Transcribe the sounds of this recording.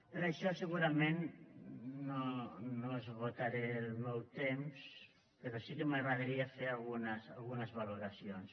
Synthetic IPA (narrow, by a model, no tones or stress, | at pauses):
eɾaʃɔsəɣuɾamenː | onoezβot̪aɾeːlˠmɛwt̪ems | peɾɔsikemaɣɾaðɾiafeɾalɣunəsalˠɣunəzβaluɾasions